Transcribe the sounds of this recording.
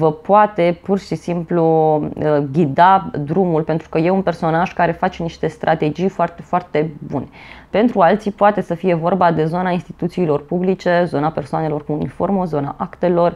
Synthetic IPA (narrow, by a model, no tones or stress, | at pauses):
vəpoat̪e̞purʃisimpluəɡʲid̪ad̪ɾumulpe̞nt̪ɾu̥kəje̞unpe̞rso̞naʒkaɾe̞fat͡ʃniʃt̪e̞st̪ɾʔat̪e̞d͡ʒijfoart̪efoart̪e̞bṵnepe̞nt̪ɾualt̪sipoat̪e̞səfije̞vo̞rbad̪e̞zonainst̪i̥t̪ut̪siːlo̞rpublit͡ʃe̞zo̞nape̞rsoane̞lo̞runifo̞rmozo̞naʔakt̪e̞lo̞r